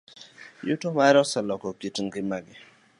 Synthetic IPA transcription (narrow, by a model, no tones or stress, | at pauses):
jutomaɾɔsɛlɔkɔkitŋɡɪmaɡɪ